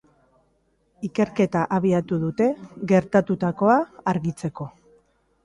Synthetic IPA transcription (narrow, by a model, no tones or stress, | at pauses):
ike̞ɾke̞t̪aʔaβ̞iat̪uðut̪e̞ɣe̞ɾt̪at̪ut̪ako̞aːɾɣit͡se̞ko̞